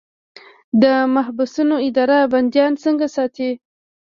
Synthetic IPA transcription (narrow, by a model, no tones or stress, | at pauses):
d̪əmaɦbusunoɪd̪ɑɾaband̪jɑnt͡səŋɡasɑt̪e